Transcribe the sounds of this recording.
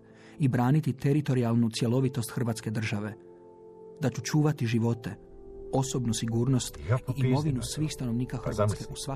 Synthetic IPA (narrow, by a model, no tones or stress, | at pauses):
ibɾaːnit̪it̪e̞ɾit̪o̞ɾialˠnut̪sje̞lo̞ʋit̪o̞st̪xr̩ʋaːt̪ske̞d̪r̩ʒaʋe̞ | d̪at͡ɕut͡ʃuːʋat̪iʒiʋo̞t̪e̞ | o̞so̞bnusiɡuːɾno̞st̪iʔːimo̞ʋinusʋiːxst̪ano̞ʋniːkaxr̩ʋaskeusʋa